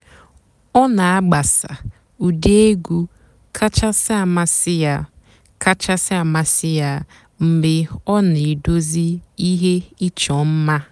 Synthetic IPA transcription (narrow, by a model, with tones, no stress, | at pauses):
ɔ˦na˨a˦ɡ͡ba˨sa̰˨ | u˨de˦ɡu˦ | kʰa˦t͡ʃa˦sɪ˦a˨ma˨sɪ˦a˨ | ka˦t͡ʃa˦sɪ˦a˨ma˨sɪ˦ja˨ | m̩˨bɪ˨ɔ˦ne˨do˦zi˦i˦ɦe˦i˦t͡ʃɔ˨m̩˦ma˦